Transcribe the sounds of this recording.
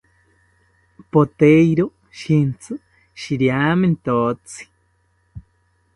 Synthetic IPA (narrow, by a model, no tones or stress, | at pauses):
pot̪ejɾo | ʃint͡sʰɨ | ʃiɾjament̪ot͡si̥